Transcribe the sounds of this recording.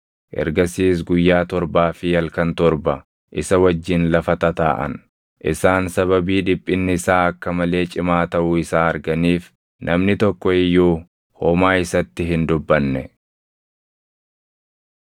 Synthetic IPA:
ʔɛ̰ɾɡɐsiːs̬ɡʊjːaːt̪ɔɾbaːfɪjɐlkɐnt̪ɔɾbɐ | ʔɪsɐwɐd͡ʒːɪnlɐfɐt̪ɐt̪a̰ːʔɐ̰n | ʔɪ̰saːnsɐβɐbiːᶑɪpʼːɪnːɪɪsaːɐkːɐmɐle̞ːt͡ʃʼɪmaːt̪ɐʔuːɪsaːɐɾɡɐniːf | nʔɐmnɪt̪ɔkːɔɪjːuː | hɔmaːɪsɐt̪ːɪɦɪnd̪ʊbːɐnːɛ

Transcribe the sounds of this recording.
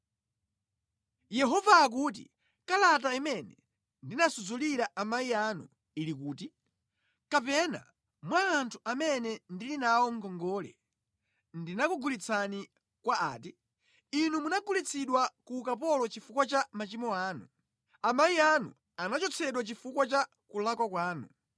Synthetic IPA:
jɛɦɔvaːk̬uːt̬ḭ | kalat̬aimɛnɛ̰ | ndinasuzuliɾaʔamaianṵ | ilik̬uːti | kapɛna̰ | mwaːntʰu̥ʔamɛnɛndilinawɔŋɡɔŋɡɔlɛ̰ | ndinakuɡulit͡sʰani | kwaaːti | inumunaɡulit͡sʰiɗwakuːkapɔlɔt͡ʃifukwat͡ʃamat͡ʃimɔaːnu | amaianṵ | anat͡ʃɔt͡sʰɛɗwat͡ʃifukwat͡ʃa | kulakwakwaːnṵ

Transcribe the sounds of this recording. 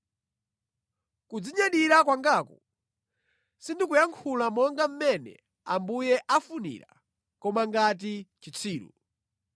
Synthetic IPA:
kud͡ziɲaɗiɾakwaŋɡakɔ | sindikujaŋkʰulamɔŋɡam̩mɛnɛ̰ | ambujɛʔafunḭɾa̰ | kɔmaŋɡat̬it͡ʃit͡sʰiːɾṵ

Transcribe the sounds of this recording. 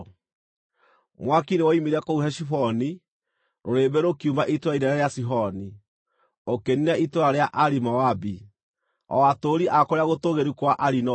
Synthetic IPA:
mwakinewaimiɾakouɦɛʃifɔni | ɾoɾebɛɾokiumaʔitoɾaiɾaɾaɾeasiɦɔni | okeninaʔitoɾaɾeaʔaɾimawabi | ɔ̰atoɾiʔakoɾeaɣotoɣeɾukwaʔaɾinɔ

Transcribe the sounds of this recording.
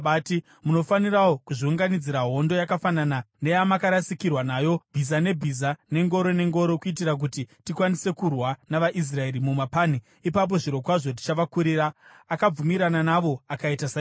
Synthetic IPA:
ɓaːti | muno̞faniɾawokuʐiuŋɡanid͡ziɾaɦo̞ndo̞jakafananane̞jamakaɾasikirwanaːjobʱizane̞bʱizane̞ŋɡo̞ɾo̞ne̞ŋɡo̞ɾokuitiɾak̬utitikwanise̞kurwanaʋaʔis̬rae̞ɾimumapaːni | ipap̬o̞ʐiɾo̞kwaʐo̞t̬i̥t͡ʃaʋakuɾiɾaː | kab͡vumiɾananaʋo̞akaitasa

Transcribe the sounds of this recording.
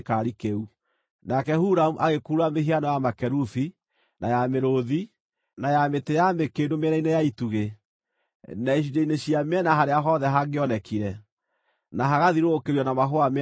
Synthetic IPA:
kaɾikeu | nakɛhuɾamuʔaɣekuːɾameɦianɔjamakɛɾufi | najameɾoði | najametejamekedomeɾainejaituɣe | naiʃ̬idaineɕiamɛnaɦaɾeaɦɔðɛɦaɡeɔnɛkiɾɛ | naɦaɣaðiɾoːkeɾjɔnamaɦoame

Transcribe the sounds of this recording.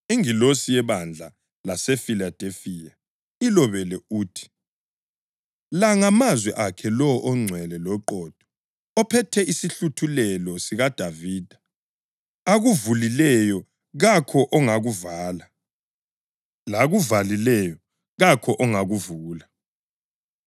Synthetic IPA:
eŋilosijɛβand͡ɮʱa | lasɛfilad̥ʱefija | ilɔβɛlɛuːtʰi̥ | laŋamazwɛʔakʰɛlɔʔɔŋ͡ǀʱwɛlɛlɔǃɔːd̥ʱɔ̥ | ɔpʰɛtʰɛisiɬutʰulɛlɔsiɣad̥ʱaviːd̥ʱḁ | aɣuvulilɛjɔ | ɣakʰɔʔɔŋaɣuvaːla | laɣuvalilɛjɔ | ɣakʰɔʔɔŋaɣuvuːla

